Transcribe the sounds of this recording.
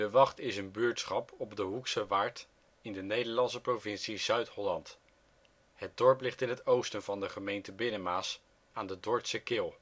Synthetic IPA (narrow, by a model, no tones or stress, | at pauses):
dəʋɑχtɪsənbyːɹtsχɑpʰɔbdəɦuksəʋaːɹt | ɪndənejdəɹlɑnsəprovɪnsizœɥtɦɔlɑnt | hət̚dɔɹplɪχtɪnɦətowstənvɑndəχəmejntəbɪnəmaːs | aːndədɔɹtsəkɪːlˠ